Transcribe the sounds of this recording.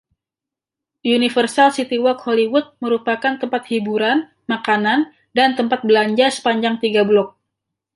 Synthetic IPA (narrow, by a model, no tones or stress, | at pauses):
unifərsalsit̪iwɔkholiwut̪̚məɾupakant̪əmpat̪̚hibuɾan | makanan | dant̪əmpat̪̚bəlaɲd͡ʒasə̥paɲd͡ʒaŋt̪iɡablɔk̚